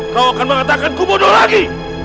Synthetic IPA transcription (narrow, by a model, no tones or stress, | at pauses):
kawakanmə̃ŋat̪akankubʊdolaɡi